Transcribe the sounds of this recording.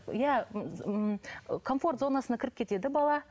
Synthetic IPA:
jæ | kʰo̞nfo̞rt̪zonɑsənɑkʲɪɾɪp̚kʲe̞t̪e̞d̪ɪbɑlˠɑ

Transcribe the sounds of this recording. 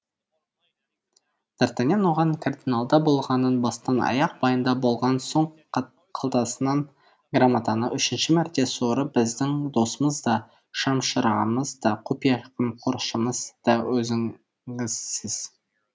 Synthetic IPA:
d̪̥ɑɾt̪ɑnʲenwoʁɑŋkʰard̪inalˠd̪ɑbo̞lˠʁɑnənbɑst̪ɑnɑ̰jɑq̚bɑjənd̪ɑbo̞lˠʁɑnso̞ɴ | qʰɑlˠt̪ɑsənɑn | ɡramat̪ɑnəʔʏʃɪnʃɪmæɾt̪e̞soɾəbɪzd̪ɪŋd̪o̞səməzd̪ɑ | ʃɑmʃəɾɑməzd̪ɑqʰupijɑqəmqʰoɾʃəməzd̪̥ɑwɵzɪ | ɪzɪz̥

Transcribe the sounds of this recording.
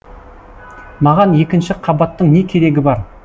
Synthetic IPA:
mɑʁɑnje̞kʲɪnʃɪqʰɑbɑt̪ːəɴne̞kʲʰe̞ɾe̞ɡʲɪbɑɾ

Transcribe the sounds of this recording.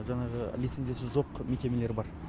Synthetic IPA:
ʒɑɴɑʁəlit̪se̞nzijasɪʒo̞qmekʲe̞me̞le̞ɾɪbɑɾ

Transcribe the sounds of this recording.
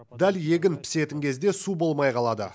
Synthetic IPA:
d̪ælje̞ɡʲɪnpʰɪ̥se̞t̪ɪŋkʲʰe̞zd̪e̞subo̞lˠmɑjqʰɑlˠɑd̪ə̰

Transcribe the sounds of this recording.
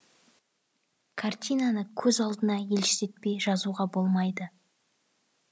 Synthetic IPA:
kʰart̪ʲijnanəkʲʰɵzɑlˠd̪ənɑje̞lʃɪ̥ze̞t̪̚pe̞jʒɑzuʁɑbo̞lˠmɑjd̪ə

